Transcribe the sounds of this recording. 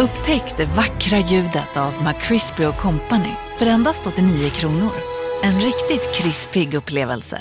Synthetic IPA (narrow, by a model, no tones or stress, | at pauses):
ɵpːt̪ʰɛkt̪̚d̪ɛvakːɾajʉ̟ːd̪ət̪ʰavmakʰːɾɪspɪʊkʰɔmpanɪ̰ | fœɾɛnd̪ast̪ɔt̪ːɪniːʊkʰɾuːnʊɾɛnɾɪkt̪ɪt̪kʰɾɪspɪɡɵpːleːvə̰lsə̰